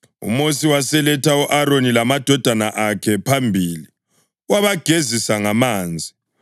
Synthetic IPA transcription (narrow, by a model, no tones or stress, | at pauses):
ṵmosiwasɛlɛtʰauʔaɾonilamad̥ʱɔd̥ʱanaʔakʰɛpʰambʱiːli | waβaɡ̥ʱezisaŋamaːnd͡zʱi